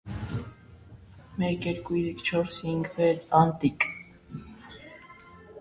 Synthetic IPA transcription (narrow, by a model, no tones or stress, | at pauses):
mɛkjɛɾkuiikʰt͡ʃʰɔɾshiŋɡvɛt͡sʰɑnt̪ikʼ